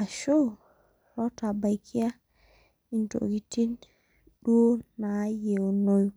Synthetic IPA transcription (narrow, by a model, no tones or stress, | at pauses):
aʃɔ | ɾɔtabajkʰija | into̰ɡitin | ɗuonajenoj